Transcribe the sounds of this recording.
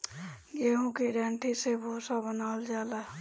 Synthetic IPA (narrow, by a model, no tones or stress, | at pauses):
ɡeːɦũkiɾãːɳʈʰisebʱoːsabənaːld͡ʒaːla